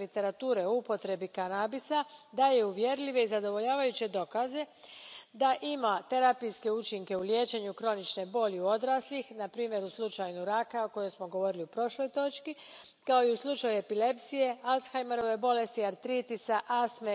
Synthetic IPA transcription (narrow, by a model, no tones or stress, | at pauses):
lit̪e̞ɾat̪uːɾe̞oupo̞t̪ɾe̞bikanabisad̪ajeuʋje̞ɾʎiʋe̞izad̪o̞ʋo̞ʎaːʋajut͡ɕe̞d̪o̞kaze̞d̪aʔimat̪e̞ɾapijske̞ut͡ʃiŋke̞ulje̞ːt͡ʃe̞ɲukɾo̞nit͡ʃne̞bo̞ːʎiuo̞d̪ɾaslixnapɾiːmje̞ɾuslˠut͡ʃajnuɾakaoko̞jo̞msmoɡo̞ʋo̞ɾiliupɾo̞ʃlo̞jt̪o̞t͡ʃki | kao̞iuslˠut͡ʃajue̞pile̞psije̞alsxajmeɾo̞ʋe̞bo̞le̞st̪iaɾt̪ɾit̪isaʔasme